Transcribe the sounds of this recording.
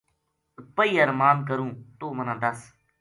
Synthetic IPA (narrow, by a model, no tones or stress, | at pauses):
pəiːəɾmaːnk̬əɾũːt̪oːmənãːd̪əs